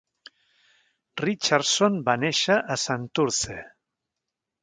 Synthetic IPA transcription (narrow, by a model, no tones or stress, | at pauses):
rit͡ʃaɾsonbaneʃaʔasant̪uɾt͡se